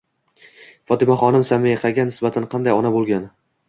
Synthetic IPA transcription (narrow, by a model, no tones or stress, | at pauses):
fɒt̪ɪmaχɒnɪmsamɪjaqʰɑɡʲanɪsbat̪ʰanqʰɑnd̪ajɒnabolˠɡʲan